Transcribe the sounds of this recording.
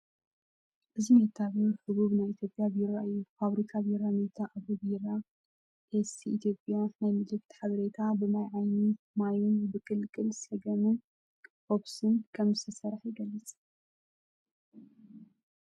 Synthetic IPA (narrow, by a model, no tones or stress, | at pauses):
ʔɨzimet̪ʰːaβuħɨβuβnajit̪ʰjo̞pʼjabjɪɾaʔɨufaβɾikʰabiɾamet̪ʰaʔaβobiɾa | ʔesʰiʔit̪ʰjo̞pʼjanajmɨlɨkt̪ʰħaβɐɾet̪ʰabɨmajʕajni | majunbɨkʼɨlkʼɨlsɐɡɐmɨn | ʔoβsɨnkʰɐmzɨt̪ʰɐsɐɾħjɪɡɐlːɨt͡sʼ